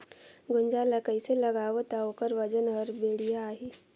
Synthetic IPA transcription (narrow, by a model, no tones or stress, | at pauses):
ɡʊnd͡ʒaləkəiselɐɡaːwot̪aokəɾʋɐd͡ʒənɔːɾbeːɽijaaːɦiː